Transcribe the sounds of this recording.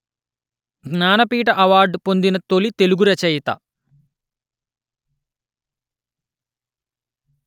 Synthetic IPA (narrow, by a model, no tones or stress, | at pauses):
ɡnaːnɐpiːʈɐʔɐʋaːɾɖpo̞nd̪inɐt̪olit̪e̞luɡuɾɐt͡ʃɐjt̪ɐ̰